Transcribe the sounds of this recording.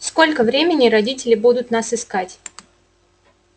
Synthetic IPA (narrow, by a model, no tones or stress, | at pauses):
sko̞lʲkəvɾʲemʲɪnʲɪɾɐdʲitʲɪlʲɪbud̪ʊt̪nasɨskatʲ